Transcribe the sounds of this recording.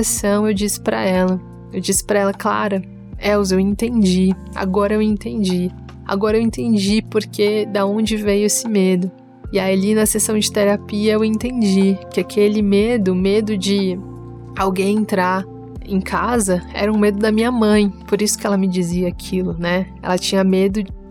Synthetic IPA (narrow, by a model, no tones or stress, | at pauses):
esɐ̃w̃ewd͡ʒisɪ̥pɾɐ̰ɛlɐ | ewd͡ʒisɪ̥pɾɐɛlɐkla̰ɾɐ | ɛwzewẽnt̪ẽnd͡ʒia̰ɡɔɾɐewẽnt̪ẽnd͡ʒi | a̰ɡɔɾɐewẽt̪ẽnd͡ʒipoɾkʰed̪ɐõnd͡ʒɪvejʊesɪmed̪ʊ | ɪaiialinɐsesɐ̃w̃d͡ʒɪt̪eɾapiɐewẽnt̪ẽnd͡ʒikɪakʰelɪmed̪ʊmed̪ʊd͡ʒɪ | awɡẽj̃ẽnt̪ɾaɾ | ẽj̃kʰazɐɛ̰ɾɐũmed̪ʊd̪ɐmĩɲɐmɐ̃j̃poɾisʊ̥kɪɛlɐmɪd͡ʒiziɐakʰilʊnɛ | ɛ̰lɐt͡ʃĩɲɐmed̪ʊ